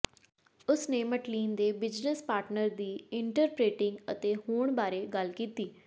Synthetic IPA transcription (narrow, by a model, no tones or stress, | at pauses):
ʊsneːməʈliːnd̪eːbɪd͡ʒnəspaːɾʈnəɾd̪iːɪɳʈəɾpɾeːʈɪ̃ŋɡət̪eːhuːɳbaːɾeːɡəlkiːt̪iː